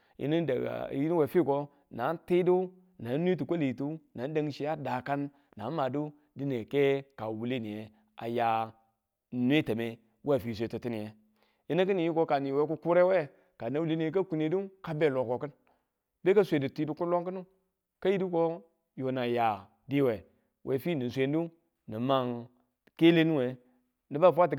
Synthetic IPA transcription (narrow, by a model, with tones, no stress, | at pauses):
ḭ˦nḭ˦˨i˦ni˦we˨fi˦˨ko˦ | na˨˦n˦ti˦du˦ | na˨˦nʷ˦i˦t̬u˨ko˦li˨tu˦na˨˦n˦da˨ŋ˦ʃi˦ja˦da˨ka˦nː | a˨˦ma˨du˦ | di˦ne˨ke˦ka˨wu˨le˦ni˨je˨ | a̰˨ja˨ | nwe˦te˨me˦ | we˦˨fi˨s̬ʷe˨tu˨ti˦ni˨e˨ | i˦na˦k̬i˦ni˨ji˦ko˦ka˨ni˨we˦ku˦ku˦ɾe˦we˦ | ka˨na˨wu˦le˦ni˨e˨k̬a˦ku˨ne˨˦du˦ka˦be˦˨lo˨ko˨kɨ˦n | be˦ka˦sʷe˨di˨ti˦du˦ku˦lo˦ŋki˦nu˦ | ka˦ji˦di˦ko˦ | jo˨na˨ja˨ | di˦we˨ | wʔe˨fi˦˨ni˨sʷe˨n˦u˦ | ni˨ma˦˨ŋ | ke˦le˦nu˦we˨ | ni˦ba˦˨fʷa˦t̬i˨